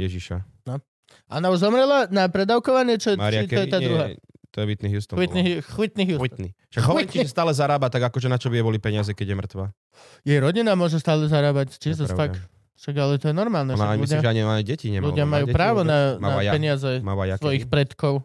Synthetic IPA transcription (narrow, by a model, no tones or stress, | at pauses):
jɛʒiʃa | nɔ | aɔnauʒzɔmɾɛlanapɾɛd̪aʊkɔʋaɲɪɛt͡ʃɔɛaɾiatɔjɛt̪aːd̪ɾuɦa | t̪ɔjɛʋit̪niɦust̪ɔʋit̪nixʋit̪niɦjut̪ni | ʃaɡɦɔɲiɛst̪aːlɛzaɾaːbat̪aɡakɔʒɛnat͡ʃɔbiɛbɔlipɛɲɪazɛkɛɟjɛmɾr̩t̪ʋaː | jɛjɾɔɟinamʊɔʒɛst̪aːlɛzaɾaːbact͡ʃizafak | ʃaɡalɛt̪ɔjɛnɔɾmaːlˠnɛnɲludɪaaɲiaɲiɟɛciɲɛ̰mluɪamajuːpɾaːʋɔnaaɛɲɪazɛaasʋʋɔjixpɾɛt̪kɔʊ